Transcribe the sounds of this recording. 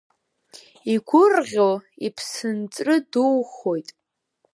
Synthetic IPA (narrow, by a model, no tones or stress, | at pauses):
iɡʷʊrʁʲoipʰsɨnt͡sʼrɨduwχo̞jtʼ